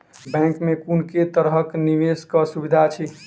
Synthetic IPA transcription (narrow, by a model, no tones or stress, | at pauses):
bɛ̃ŋkmekunket̪əɾɦəkniʋeskəsubid̪ʱat͡ʃʰi